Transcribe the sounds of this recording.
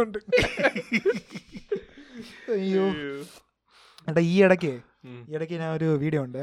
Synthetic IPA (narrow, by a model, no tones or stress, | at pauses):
uɳɖɨ | t̪ʰaːŋkju | ɽɐiːɛɽɐk̬ʲːɨ | iːeɽɐk̬ʲːɨnaoɾuʋiːɽijouɳɖɨ